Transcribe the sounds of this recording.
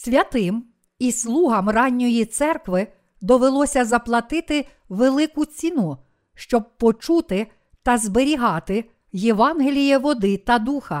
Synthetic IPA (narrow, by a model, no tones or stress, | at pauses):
sʲʋʲɐt̪ɪm | islˠuɦɐmrɑnʲːɔjit̪sɛrkʋɪ | d̪ɔʋelˠɔsʲɐzɐplˠɐt̪ɪt̪ɪ | ʋelˠɪkʊt͡sʲinu | ʃt͡ʃɔb̚pɔt͡ʃut̪ɪ | t̪ɐzbeɾʲiɦɑt̪ɪ | jeʋɑnɦelʲijɛʋɔd̪ɪt̪ɐd̪uxɐ